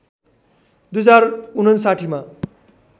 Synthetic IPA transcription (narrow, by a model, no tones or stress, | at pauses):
d̪ujd͡zarunʌnsaʈʰima